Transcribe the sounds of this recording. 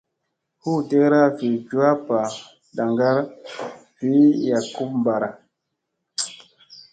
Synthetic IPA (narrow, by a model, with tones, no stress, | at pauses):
hu˦te˦kɾa˦fi˨d͡ʒu˦a˦pa˨ | ɗa˨ŋɡa˦ɾfi˨˦ja˨ku˦p̚m˨ba˨ɾa˨